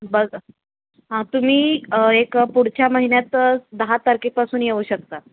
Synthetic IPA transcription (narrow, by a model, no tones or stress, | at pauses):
bəɡ | ɦãt̪um̤iːekpuɽ̤t͡ɕaməɦinjat̪d̪əɦat̪aɾkek̚pasuːnjeʋuːɕək̚t̪a